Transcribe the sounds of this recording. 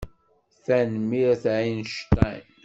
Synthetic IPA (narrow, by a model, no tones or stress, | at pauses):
θænmiɾæθʕinʃt̪ajn